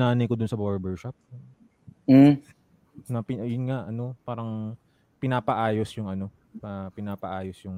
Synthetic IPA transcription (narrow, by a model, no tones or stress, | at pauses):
aːnɐjkod̪ʊnsɐboɾbɛɹʃap̚ | m̩ | nɐpɪɐjʊnŋaʔɐno̞paːɾɐŋ | pɪnaːpɐʔaːjo̞sjʊŋɐno̞ | pɐpɪnaːpɐʔaːjosjʊŋ